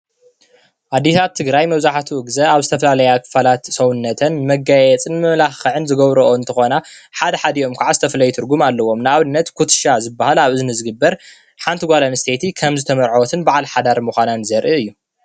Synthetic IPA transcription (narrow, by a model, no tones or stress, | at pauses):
ʔad̪ːisat̪ʰːɨɡɾajmɐβzaħat̪ʰuʔɨɡzɐaβzɨt̪ʰɐfɐlalɐjakʰɨ̥falat̪sɐwunːɐt̪ʰɐnmɐɡajɛt͡sʼɨnmɨmlaɐʕɨnzɨɡɐβɾɐʔoɨnt̪ʰɐxo̞na | ħad̪ɐħad̪io̞mkʰaʕazɨt̪ʰɐfɐlɐjt̪ʰɨɾɡumalːɐwo̞mnɨaβɨnːɐt̪kʰut̪ʃazɨbːahalaβɨznɨzɨɡɨbːɐɾ | ħant̪ʰiɡʷalanɨst̪ʰet̪ʰikʰɐmzɨt̪ʰɐmɐɾʕowɔt̪ʰɨnbaʕalħad̪aɾmuxʷananzɐɾʔiɨjːu